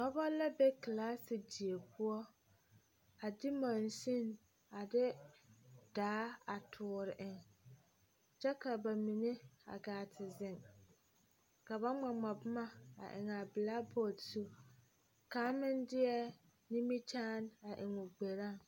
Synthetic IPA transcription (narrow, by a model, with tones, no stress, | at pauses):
bɔ˦bɔ˦la˦be˦klaː˦sɪ˨di˨e˨pʊ˦ɔ˦ | a˨dɪ˦mã˨n˨si˦n | a˨dɪ˦ | d̥aː˨˦a˨tʰʊː˨ɾɪ˨ʔɪ˨ŋ | t͡ʃɛ˦ka˨ba˨mi˨ne˦a̰˨ɡaː˨tʰɪ˨zɪ˨ŋ | ka˨ba˦ŋ͡ma˨ŋ͡ma˨bʊ˦ma˦a̰˨ʔɪ̰˨ŋa˨bɪ˨la˦bɔ˦˨tsu˦ | ka˦mɪ˦ndɪ˦ɛ˦ | ni˦mi˦t͡ʃaː˦na˨ʔɪ˨ŋʊ˨ɡ͡be˨ɾa˦˨ŋ